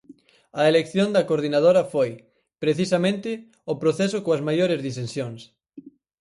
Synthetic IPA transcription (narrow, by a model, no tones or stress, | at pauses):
ɐelekθjond̪ɐkoɾð̞inað̞oɾɐfoj | pɾeθisɐmẽnt̪ɪ | opɾoθɛs̬okoɐzmajoɾɪzðisensjoŋs